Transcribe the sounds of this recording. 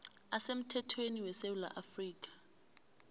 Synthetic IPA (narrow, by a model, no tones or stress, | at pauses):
asem̩tʰɛtʰweniwɛsewula̰ʔafriːk̬ʼḁ